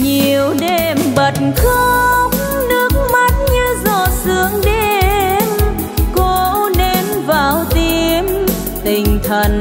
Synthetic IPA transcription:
ɲi˨˩əwɗe˨˩mɓə˨˩t̚nxo˧k͡p̚ | nɨ˦˥ək͡pk̚ma˦˥t̚ɲɨ˧zɔ˧˩sɨ˨˧˦əŋɗe˧n | ko˧ne˧nvaː˧˨˩wt̪i˧əm | t̪ï˨˩ŋ̟t̪ʰə˨˩n

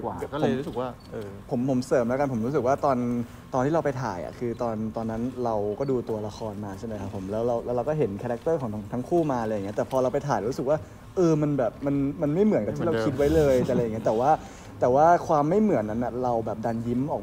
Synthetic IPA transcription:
a˨˩˨ɔ˥˩˧mɾu˦sɯ˨˩k̚waː˥˩ʔɤː˧pʰo˩˦mpʰo˩˦msɤː˨˩mlɛ˦˥ka˧npʰo˩˦mɾu˦˥s̬ɯ˨˩k̚waː˥˩t̪ɔː˧n | t̪ɔː˧nt̪ʰiː˥˩a˧wpa˧jt̪ʰa̰ː˨˩˦jʔa̰˨˩kʰɯː˧t̪ɔː˧nt̪ɔː˧nːa˦˥nɾa˧wkɔː˥˩duː˧t̪u˧ɐla˧xʰɔː˧nmaː˧t͡ɕʰe˥˩na˦jkʰa˦˥pʰːo˩˦mlɛː˦˥wɾa˧wlɛː˦˥ɾa˧wkɔː˥˩ɦe˩˦nkʰaː˧ɾa˦˥k̚t̪ɤː˥˩kɔː˨˩˦a˦˥ŋt̪ʰa˦˥ŋkʰuː˥˩maː˧ljŋ˦˥t̪ːpʰɔː˧ɾa˧wpa˧jt̪ʰaː˨˩˦jɾuː˦˥sɯ˨˩k̚waː˥˩ | ʔɤː˧ma˧nbɛː˨˩p̚ma˧nma˧nma˥˩jmɯ˨˩˦nka˨˩t̪ʰi˥˩a˧kʰi˦˥t̪̚wa˦˥jlɤː˧jlja˨˩ŋi˦˥t̪ɛː˨˩waː˥˩ | t̪ɛː˨˩waː˥˩kʰwaː˧mːa˥˩jmɯ˨˩˦ənːʔːa˦˥nːʔa˨˩ɾa˧wbɛː˨˩p̚da˧nji˦˥mʔɔː˨˩

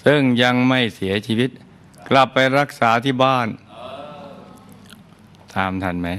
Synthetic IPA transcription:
sɯ˥˩ŋja˧ŋma˥˩jsi˩˦ɐt͡ɕʰiː˧wi˦˥t̪̚ | kla˨˩pːa˧jɾa˦˥k̚saː˩˦t̪ʰiː˥˩baː˥˩n | t̪aː˧mt̪ʰa˧˩nma˦˥j

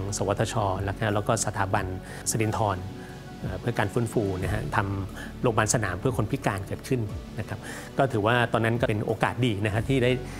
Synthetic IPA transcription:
ŋsa˨˦wa˦t̪ʰːa˧t͡ɕʰɔː˧la˦˥k̚ʰa˧˦˥lɛː˦˥wkɔː˥˩sa˧t̪ʰaː˩˦ba˧n | sa˧di˧nt̪ʰɔː˧n | ʔaː˨˩pʰɯ˥˩ɐkaː˧nfɯː˦˥nfuː˧na˦˥kʰa˦˥t̪ʰa˧m | ɾoː˧mbaː˧nsa˧na̰ː˩˦mpʰɯ˥˩ɐkʰo˧npʰi˦˥kaː˧nkɤː˨˩t̪̚kʰɯ˥˩nna˦˥kʰa˦˥p̚ | kɔː˥˩t̪ʰɯː˩˦waː˥˩t̪ɔː˧nːa˦˥nkɔ˥˩pe˧nʔoː˧kaː˨˩t̪̚diː˧na˦˥kʰa˦˥pt̪ʰiː˥˩daː˥˩j

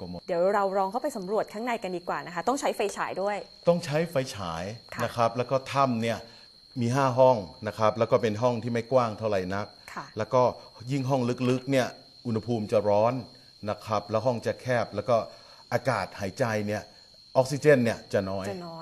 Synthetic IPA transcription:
mo˨˩di˨˩˦wɾa˧wɾɔː˧ŋkʰa˥˩pa˧jsa˨˩˦mɾu˨˩ət̪̚kʰa˥˩ŋna˧jka˧ndiː˧˩kwaː˨˩na˦˥kʰa˦˥t̪ɔ˥˩ŋt͡ɕʰa˦˥jfa˧jt͡ɕʰaː˩˦jdu˥˩əjt̪ɔ˥˩ŋt͡ɕʰa˦˥jfa˧jt͡ɕʰaː˩˦jʰna˦˥kʰa˦˥p̚lɛː˦˥wkɔː˥˩t̪ʰa˥˩mni˥˩ɐ | miː˧ɦaː˥˩ɦɔ˥˩ŋna˦˥kʰa˦˥p̚lɛː˦˥wkɔː˥˩pe˧nɦɔ˥˩ŋt̪ʰiː˥˩ma˥˩jkwaː˥˩ŋt̪ʰa˥˩wɾa˧˩jna˦˥k̚kʰa˩lɛː˦˥wkɔː˥˩ji˥˩ŋɦɔ˥˩ŋlɯ˦˥k̚lɯ˦˥k̚ni˥˩ɐ | ʔu˧nha˧pʰuː˧mt͡ɕa˨˩ɾɔː˦˥n | na˦˥kʰɾa˦˥p̚lɛː˦˥wɦɔ˥˩ŋt͡ɕa˨˩kʰɛː˥˩p̚lɛː˦˥wkɔː˥˩ | ʔaː˧kaː˨˩t̪̚haː˩˦jt͡ɕa˧jni˥˩ɐ | ʔɔː˦˥k̚si˧t͡ɕe˥˩nːi˥˩ɐt͡ɕa˨˩nɔː˦˥jnː˦˧˦

